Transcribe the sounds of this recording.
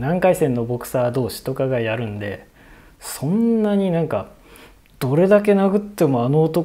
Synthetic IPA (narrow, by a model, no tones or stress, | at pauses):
nãŋkaisẽ̞nːo̞bo̞kɯ̟̥saːd̪o̞ːɕi̥t̪o̞kaɡajaɾɯ̟̃nd̪e̞ | sõ̞nːaɲ̟inãŋka | d̪̥o̞ɾe̞d̪ak̬e̞naɡɯ̟t̪ːe̞mo̞anoːt̪o̞